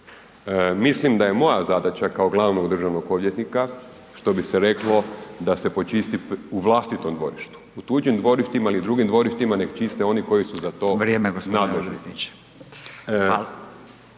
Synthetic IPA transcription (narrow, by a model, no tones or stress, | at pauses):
mislimd̪aje̞mo̞jazad̪at͡ʃakaoɡlˠaʋno̞ɡd̪r̩ʒaʋnoɡo̞ʋjet̪nika | ʃt̪o̞biseɾe̞klo̞d̪ase̞po̞t͡ʃist̪iuʋlˠast̪it̪o̞md̪ʋo̞̰ɾiʃt̪u̥ut̪uːd͡ʒimd̪ʋo̞ɾiʃt̪imailid̪ɾuɡimd̪ʋo̞ɾiʃt̪imane̞ɡt͡ʃist̪eo̞niko̞jisuzat̪o̞ːʋɾjemeɡosnad̪leʒniie̥